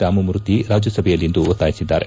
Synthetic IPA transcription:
t̪aːmumɾut̪iɾaːd͡ʒjɐsɐbʱɛjɐlːind̪uɔt̪ːaːjisid̪ːaːɾe

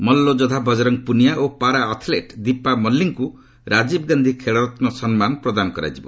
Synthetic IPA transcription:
mɔlːod͡ʒɔd̪ʱabʱɔd͡ʒɔɾɔŋpunijaʔopaɾaːt̪ʰleʈd̪ipamɔlːiŋku | ɾad͡ʒibɡand̪ʱikʰeɭɔɾɔt̪nɔsɔnmanɔpɾɔd̪anɔkɔɾa̰jd͡ʒibɔ

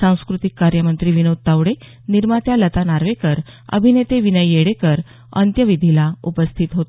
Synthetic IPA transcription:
sãw̃skɾut̪ikːaɾjəmənt̪ɾiːʋinod̪̚t̪aʋɽe | niɾmat̪jalət̪anaɾʋekəɾə̰bʱinet̪eʋinəjːeɽekəɾ | ə̰nt̪jəʋid̪ʱilaupəst̪ʰit̪ɦot̪

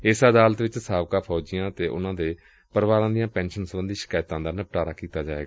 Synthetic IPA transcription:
ɪsəd̪aːlət̪ʋɪt͡ʃsaːʋkaːpʰɔːd͡ʒɪjãːt̪eːʔʊ̰nãːd̪eː | pəɾʋaːɾãːd̪ɪjãːpɛ̃ːnʃənsəbənd̪iːʃɪ̥kaːjt̪ãːd̪aːnəp̚ʈaːɾaːkiːt̪aːd͡ʒaːḛːɡaː

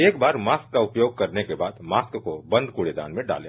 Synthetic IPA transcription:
eːkbaːɾmaːskːaʊpjoːɡ̚kɐɾnekebaːd̪maːskkobɐ̃nd̪ʱkuɽed̪a̰ːnmẽɖa̰ːlḛ̃ː

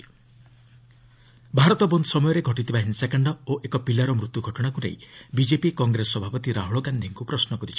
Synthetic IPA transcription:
bʱaɾɔt̪ɔbɔnd̪ɔsɔmɔjɔɾeɡʱɔʈit̪ʰibaɦinsakaɳɖɔoʔekɔpilaɾɔmɾut̪juɡʱɔʈɔɽ̃akuɾḛjbid͡ʒepikɔŋɡɾesɔbʱapɔt̪iɾaɦɔɭɔɡand̪ʱiŋkupɾɔsnɔkɔɾit͡ʃʰi̥

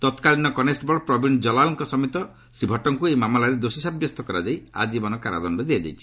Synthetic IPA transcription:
t̪ɔt̪kalinɔkɔnesʈbɔɭpɾɔbʱind͡ʒɔlalɔŋkɔsɔmit̪ɔ | sɾibʱɔʈɔŋkuejmamalaɾed̪osisabjɔst̪ɔkɔɾad͡ʒaja̰d͡ʒibɔnɔkaɾa̰d̪ɔnɖɔd̪iad͡ʒa̰jt͡ʃʰi̥

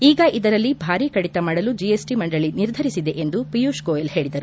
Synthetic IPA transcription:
iːɡɐʔid̪ɐɾɐlːibʱaːɾikɐɽit̪ɐmaːɽɐlud͡ʒiesʈimɐɳɖɐɭiniɾd̪ʱɐɾisid̪e̞ʔend̪upijuʃkoːjelhe̞ːɭid̪ɐɾu

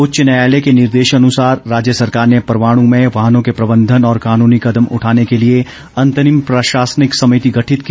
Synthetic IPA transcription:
ʊtːʃənaːlekenɪɾd̪eːʃɐnʊsaːɾːaːd͡ʒjəsɐɾkaːɾnepɐɾʋaːɽ̃õmẽʋaːɦənõkepɾɐbə̃nd̪ʱənɔːɾkaːnuːnikɐd̪əmʊ̰ʈʰaːnekelie | ɐ̃nt̪ənɪmpɾəʃaːsənɪksɐmijt̪iɡɐʈʰɪt̪k

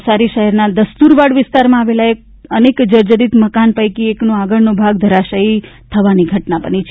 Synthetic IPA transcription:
saɾiʃəɦɛɾnad̪əst̪uɾʋaɽʋɪst̪aɾmãaʋelaek̚ | ənekd͡ʒəɾd͡ʒəɾit̪məkanpəjkieknõaɡəɭnõbʱaɡ̚d̪ʱəɾaʃait̪ʰəʋaniɡʱəʈnapənit͡ʃʰ

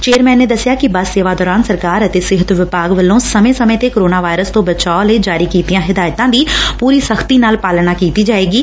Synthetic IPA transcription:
t͡ʃeːɾmɛ̃ːnːeːd̪əsːɪjaːkɪbəsseːʋaːd̪ɔːɾaːnsəɾkaːɾət̪eːsɪɦət̪ʋɪpaːɡʋəlːõːsəmẽsəmẽːt̪ekoɾoːnaːʋaːɪɾəst̪õːbət͡ʃaːoləid͡ʒaːɾiːkiːt̪ijãːɦɪd̪aːjt̪ãːd̪iːpuːɾiːsəxʰt̪iːnaːlpaːlnaːkiːt̪iːd͡ʒaːeːɡiː

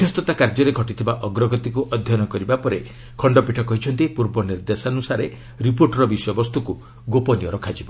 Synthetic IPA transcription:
d̪ʰʱjɔst̪ɔt̪akaɾd͡ʒɔɾeɡʱɔʈit̪ʰibaʔɔɡɾɔɡɔt̪ikuʔɔd̪ʱjɔnɔkɔɾibapɔɾe | kʰɔɳɖɔpiʈʰɔkɔɦit͡ʃʰɔnt̪ipuɾbɔniɾd̪esanusaɾe | ɾipoɾʈɾɔbisjɔbɔst̪uku | ɡopɔniɔɾɔkʰad͡ʒibɔ

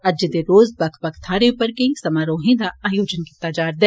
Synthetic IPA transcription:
ɐd͡ʒɪd̪eɾoːzbɐkʰbɐkʰt̪ʰaːɾeʊpəɾkɐĩsɐmaːɾõːɦẽːd̪aaːjoːd͡ʒənkɪt̪ad͡ʒaːɾd̪ɛː

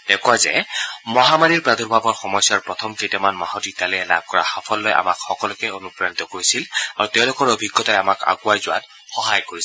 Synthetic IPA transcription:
d̥ɛkwazɛ̰mɔɦamaɹiɹpɹaduɹbʱabɔɹxɔmɔjsːaɹpɹɔtʰɔmketamanmaɦɔtitalɛɛla̰b̚ʱkɔɹa̰xapʰɔlːoja̰makxɔkɔlʊkɛonupɹanitɔkoɹisilaɹutɛʊ̃lʊkɔɹobʱiɡːɔtajamaka̰ɡʊajzʊwa̰t | xɔɦajkoɹis

